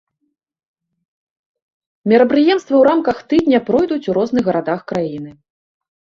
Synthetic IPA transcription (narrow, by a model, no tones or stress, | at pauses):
mʲɛɾɐpɾɨjɛmst̪vɐwɾamkɐxt̪ɨd̪ʲnʲɐpɾɔjd̪ut͡sʲuɾɔznɨɣɣɐɾʔad̪axkɾajinɨ